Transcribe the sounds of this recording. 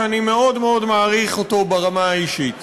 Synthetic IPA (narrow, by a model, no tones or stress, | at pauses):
anime̞o̞dmeo̞dmaːʁiχoto̞baʁamaaiʃit